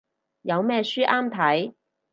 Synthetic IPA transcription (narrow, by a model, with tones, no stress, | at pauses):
jɐ˨˧wmɛː˥syː˥ʔaː˥mt̪ʰɐ˨˥j